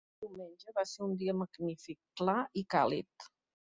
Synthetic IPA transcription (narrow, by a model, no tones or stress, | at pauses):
d̪iwmenʲʒəβaseɾund̪iəməɡnifikːlaikalḭt̪